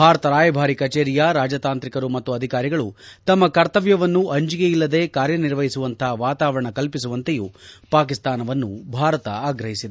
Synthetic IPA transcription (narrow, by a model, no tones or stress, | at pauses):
bʱaːɾɐt̪ɐɾaːjɐbʱaːɾikɐt͡ʃeːɾijɐɾaːd͡ʒɐt̪aːnt̪ɾikɐɾumɐt̪ːuɐd̪ʱikaːɾiɡɐɭut̪ɐmːɐkɐɾt̪ɐʋjɐʋɐnːuʔɐɲd͡ʒiɡeilːɐd̪e̞ːkaːɾjɐniɾʋɐɦisuʋɐnt̪ʰɐɦɐʋaːt̪aːʋɐɾɐɳɐkɐlpis̬uʋɐnt̪e̞jupaːkist̪aːnɐʋɐnːṵbʱaːɾɐt̪ɐaːɡɾɐɦisid̪e